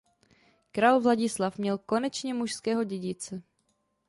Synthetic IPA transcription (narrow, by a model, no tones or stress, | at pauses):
kɾaːlvlaɟɪslafmɲɛlko̞nɛt͡ʃɲɛmuʃskɛːɦo̞ɟɛɟɪt͡sɛ